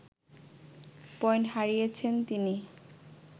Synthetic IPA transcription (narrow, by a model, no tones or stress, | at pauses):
pɔjnɦaɾijet͡ɕʰent̪ini